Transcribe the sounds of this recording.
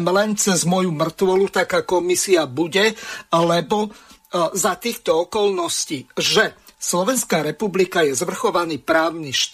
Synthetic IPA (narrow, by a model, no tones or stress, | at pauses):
mlɛnt͡sɛzmʊɔjumr̩t̪ʋɔlut̪akaːkɔmisiabuɟɛalɛbɔ | zat̪iːxt̪ɔɔkɔlnɔsciːʒɛslɔʋɛnskaːɾɛpublikajɛzʋr̩xɔʋaniːpɾaːʊniʃt̪